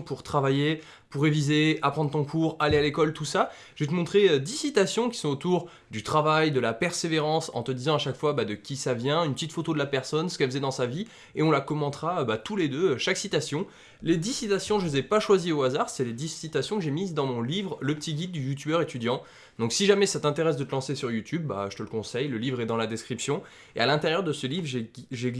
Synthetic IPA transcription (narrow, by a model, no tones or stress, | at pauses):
puʁt̪χavaje | puʁevizeapχɑ̃d̪ʁət̪ɔ̃kʰuʁalealekɔlt̪usa | ʒ̥et̪əmɔ̃t̪χeød̪isit̪asjɔ̃kʲi̥sɔ̃ot̪uʁ | d̪yt̪χavajd̪əlapɛʁseveʁɑ̃sɑ̰̃t̪əd̪izɑ̃aʃakfwabad̪əkʲisavjɛ̃ynpət̪it̪fot̪od̪əlapɛʁsɔnsə̥kɛlfəzɛd̪ɑ̃savi | eɔ̃lakɔmɑ̃t̪χaøbat̪uled̪øøʃaksit̪asjɔ̃ | led̪isit̪asjɔ̃ʒəzɛpaʃwazioazaʁsɛled̪isit̪asjɔ̃kəʒemizd̪ɑ̃mɔ̃livʁləpət̪iɡʲid̪̚ːyjut̪ybœʁet̪yd̪jɑ̃ | d̪ɔ̃ksiʒamɛsat̪ɛ̃t̪eʁɛs̬d̪ət̪əlɑ̃sesyʁjut̪ʰyb̚ːa̰ʒət̪əlkɔ̃sɛjləlivʁɛd̪ɑ̃lad̪eskχipsjɔ̃ | ealɛ̃t̪eʁjœʁd̪əsəlivʁʒeʒe